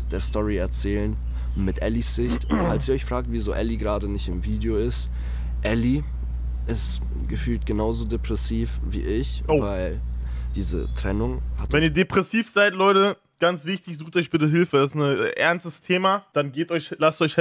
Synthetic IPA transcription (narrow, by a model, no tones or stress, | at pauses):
d̥eːɐstɔʁiɛɐt͡sɛːlən | mɪtʔɛlisz̥ɪçtfalsiːɐɔʏçfʁ̥aːk̚tviːzo̰ːʔɛliɡʁaːdənɪçtɪmviːdeoɪst | ʔɛli | ʔɪst | ɡ̥əfyːltɡ̥ənaʊzoːdepʁ̥ɛsiːfvḭːʔɪçovaɪld̥iːzə̰tʁ̥ɛnʊŋhatvɛniːɐdepʁ̥ɛsiːfz̥aɪtlɔʏtə | ɡ̥ant͡sv̥ɪçtɪçz̥uːxtɔʏçb̥ɪtəɦɪlfədasɪ̥snəʔɛɐnstəstʰeːmad̥anɡeːtʔɔʏçlastʔɔʏç